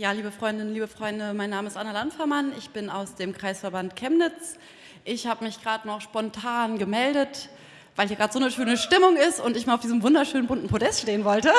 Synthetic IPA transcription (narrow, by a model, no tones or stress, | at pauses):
jaːliːbəfʁ̥ɔʏndɪn̩liːbəfʁ̥ɔʏndəmaɪnːaːməɪstʔanalantfɛɐmanɪçb̥ɪnaʊsd̥eːmkʁ̥aɪsfɛɐbantkʰɛmnɪt͡s | ʔɪçhaːbəmɪçɡ̥ʁaːdənɔχʃpɔntʰaːnɡəmɛldət | vaɪlhiːɐɡʁaːtz̥oːnəʃøːnəʃtɪmʊŋɪstʊntɪçmiːɐlaʊfdiːzəm̩vʊndɐʃøːnənbʊntn̩pʰodɛstʃteːənvɔltə